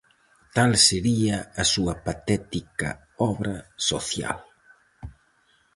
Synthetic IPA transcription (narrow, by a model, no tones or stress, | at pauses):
t̪alseɾiɐːsuɐpat̪ɛt̪ikɐ̰ | ɔβɾɐsoθja̰l